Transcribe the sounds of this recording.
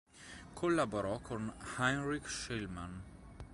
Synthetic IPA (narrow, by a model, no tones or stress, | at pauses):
kʰɔlabɔɾɔkʰɔ̃nhãɪnɹikʃɛlmãn